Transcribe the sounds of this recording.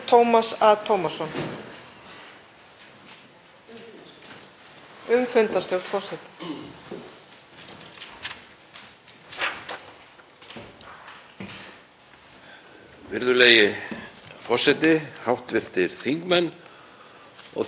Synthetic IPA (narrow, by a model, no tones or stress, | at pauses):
t̪ʰowmasaðt̪ʰowmḁsɔn | ʏmfʏnt̪ast̪jowɾt̪fɔrsɛt̪ɪ̥ | vɪɾðʏleːjɪ | fɔr̥sɛt̪ɪhawht̪vɪr̥t̪ɪɾ̥θiŋkmɛnː | ɔ̰